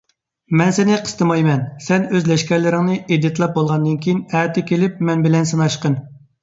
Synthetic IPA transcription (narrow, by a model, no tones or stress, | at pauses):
mɛnsɪnɪqʰə̥st̪ʰɨmɑjmɛnsɛnøzlɛʃkʲɛɾlɪɾɪŋnɨed̪ːɪt̪lˠɑp̚bolˠʁɑnd̪ɨnkʲʰijinæːt̪ʰɪkʲelɪp̚mɛnbɪlɛns̬ɨnɑʃqən